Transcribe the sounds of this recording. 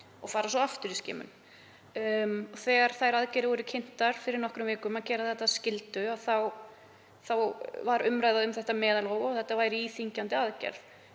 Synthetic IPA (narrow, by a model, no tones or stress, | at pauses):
ɔɣfaːɾasɔaft̪ʏɾiskcɪ̰ːmʏ̰n | ɔθɛːɣaɾ̥θajɾaðcɛɾɪvɔɾʏcʰɪn̥t̪aɾ̥fɪɾɪɾnɔhkɾʏmvɪːkʏmaðcɛːɾaðθɛht̪ːascɪlt̪ʏaθaw | θawvaɾʏmɾajðaðʏmθɛht̪amɛːðalhoːwɔɣθɛht̪ːavaːjɾiːθiɲcant̪ɪaðcɛ̰ɾð